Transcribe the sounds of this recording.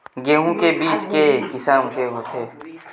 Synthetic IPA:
ɡeːɦũkebiːt͡ʃkekɪsaːmkeɦoːt̪ʰeː

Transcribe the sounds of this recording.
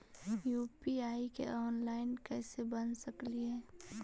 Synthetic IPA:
juːpiaːikḛʔɔːnlaːɪnkɛːsebɐnsɐkliɦɛː

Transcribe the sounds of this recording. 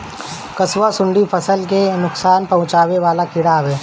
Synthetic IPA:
kɐswasʊ̃ɳɖifʰɐsəlkenʊksaːnpɐɦʊ̃t͡ʃaːweʋaːlakʰɪɽaːbɦɛː

